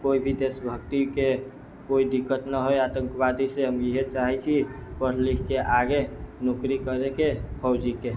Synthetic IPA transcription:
koibʱid̪esəbʱək̚t̪ike | koid̪ikːət̪nəɦojat̪ə̃ŋkbad̪iseɦəmjiɦet͡ʃaɦɛt͡ʃʰipəɾlikkeʔaɡenokɾikəɾekepʰəwd͡ʒike

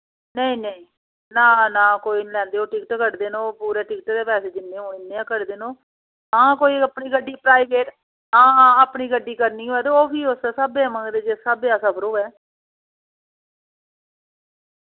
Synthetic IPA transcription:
nəĩːnəĩː | naːnãːkoːiːnlɛ̃ːnd̪eːoːʈɪkʈkəʈd̪eːnõːpuːɾeːʈɪkʈd̪eːpɛːseːd͡ʒɪnːẽːɦõːɪnːẽːãːkəʈd̪eːnõː | ãːkoːiːəpniːɡəɖiːpɾaːikeːʈ | ãːãːəpniːɡəɖːiːkəɾniːɦoːɛːt̪eoːpʰiːʊssaːbeːmə̃ːŋɡd̪eːd͡ʒeːsaːbeːaːsãːbəɾoːɛː

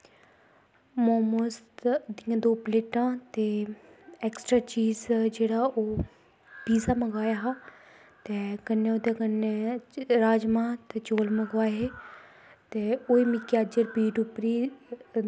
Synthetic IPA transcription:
moːmoːst̪d̪ijãːd̪oːpleːʈãːt̪eːɛːksʈɾaːt͡ʃiːzd͡ʒeːɽaːʔoː | piːsaːməɡaːjaːɦaː | t̪eːkənːẽːod̪jakənːeːɾaːd͡ʒmãːt̪eːt͡ʃoːlməɡʋaːɦeː | t̪eːoːiːmɪkiaːd͡ʒəɾpiːɖʊpɾiː

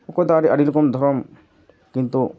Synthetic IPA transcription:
ɔkɔjt̪ɔaɾiaɾilkɔmd̪ʱɔɾɔm | kint̪u

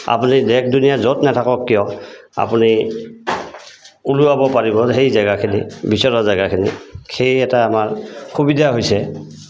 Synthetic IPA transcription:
a̰punidɛk̚dunijazɔtnɛtʰakɔkːijɔa̰puni | uluabɔpaɹibɔxejzajɡakʰinibisɔɹɔzajɡakʰinḭxejɛtaːmaɹxʰubidaɦojsɛ

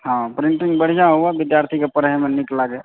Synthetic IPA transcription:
ɦãpɾɪɳʈɪŋɡbəɽ̤ijaɦoabɪd̪jaːɾt̪ʰikepəɾɦmenɪklaɡe

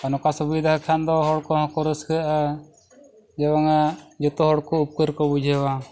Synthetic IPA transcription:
anɔkasubid̪aɦkʰand̪ɔɦɔɽkɔɦɔ̃kɔɾəskəʔa | d͡ʒɛwaŋad͡ʒɔt̪ɔɦɔɽkɔup̚kəɾkɔbud͡ʒʱɛwa

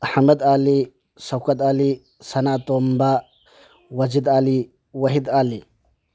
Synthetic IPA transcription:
ʔɐħmɐd̪aːli | sɐkːɐd̪aːli | sɐnaːt̪oːmba | wɐd͡ʒɪd̪aːli | wɐɦɪd̪aːli

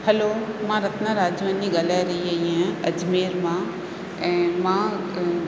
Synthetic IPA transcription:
hɐloːmãɾɐt̪naɾaːd͡ʒʋaniɡɐlaɾɐɦiɐɦiɦɛ̃ɐd͡ʒmeːɾmã | ɛ̃mã

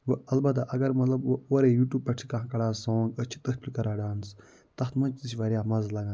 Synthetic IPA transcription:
ʋəɐlbɐd̪aʔɐɡɐɾmɐt̪lɐboːɾeːjuːʈjuːb̚pːɐʈʰi̥kɐ̃kɐɽaːsɔːŋɡət͡ʃʰi̥t̪əkpʲlikɐɾaːɖaːns | t̪ɐxt̪mɐt͡ʃt̪isʲiʋɐɾjaːmɐzlɐɡã

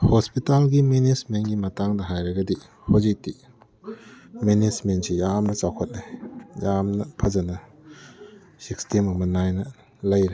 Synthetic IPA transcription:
hospitalɡimenismenɡimɐtaŋdɐɦajɾɐɡɐdi | hozik̚ti | menismentsijamnɐt͡ʃawkʰot̚najamnɐpʰɐzɐnɐ | sikstimɐmɐnajnɐ | lɐjɾi

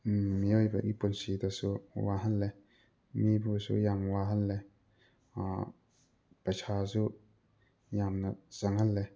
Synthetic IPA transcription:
mijɔjba̰ʔipunsit̪ɔsuwaɦalːɛ | mibusṵjamwaɦalːɛ | a | pasʰaːsu | jamnasaŋhalːɛ

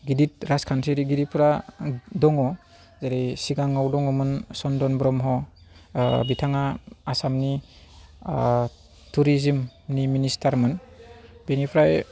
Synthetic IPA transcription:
ɡidit̚ɾaskʰansiɾiɡiɾipʰɾadɔŋɔ | zaɾisiɡaŋawdɔŋɔmɯnsɔndɔnbɾɔmɦɔ | bitʰaŋaasamni | tʰuɾizimniministʰaɾmɯnbenipʰɾaj

